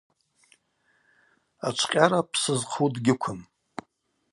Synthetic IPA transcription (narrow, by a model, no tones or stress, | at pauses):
at͡ʃʷʰqʲʼaɾapʰsɨzqʰudɡʲɪkʷʰʊm